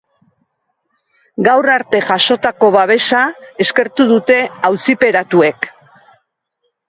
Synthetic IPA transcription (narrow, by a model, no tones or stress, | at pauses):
ɡawraɾt̪e̞ʝaʃo̞t̪ako̞βaβ̞e̞sae̞ske̞ɾt̪uðut̪e̞awsipe̞ɾat̪ue̞k